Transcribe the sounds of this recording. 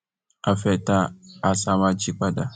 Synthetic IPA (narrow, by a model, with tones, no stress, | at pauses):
a˨fɛ˨ta˦a˨sa˦ma˦d͡ʒi˦k͡pa˦da˨